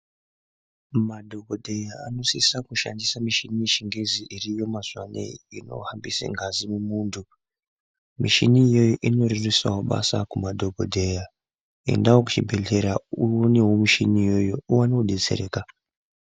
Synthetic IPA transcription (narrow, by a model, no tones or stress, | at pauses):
madʱokodʱe̞jaa̰no̞sisakuʃa̰ndisamiʃiniʃiŋɡeziʔiɾijo̞maz̥wanḛjino̞̰hambisḛŋɡʱazimumuːntʰu | miʃiniːjo̞joʔino̞ɾirisawoɓa̰sa̰kumadʱo̞kodʱeja | ḛndaokut͡ʃibʱeɮeɾauwonewomiʃinijo̞jo̞uwaneuɗe̞t͡sḛɾeːka